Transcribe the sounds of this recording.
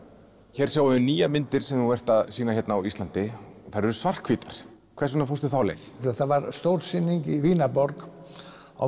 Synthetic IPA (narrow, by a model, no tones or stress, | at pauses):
çɛːɾ̥sjaːwʏʏniːjamɪnt̪ɪɾ̥sɛmnuvɛr̥t̪aðsiːnaçɛt̪naːwist̪lant̪ɪɔθaɾɛɾʏ̥svar̥kʰviːt̪aɾ̥ | kʰvɛɾ̥rsʏnafowst̪ʏθawlḛjθθavaɾst̪owɾsɪnːiŋkiviːnapɔɾk | a̰